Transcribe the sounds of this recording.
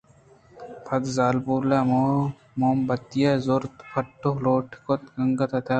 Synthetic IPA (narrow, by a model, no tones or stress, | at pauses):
pʰɐd̪zaːlbuːlamo | moːmbɐt̪ijazoɾt̪pʰɐʈːoloːʈʰkot̪ɡɐŋɡɐt̪ɐt̪aː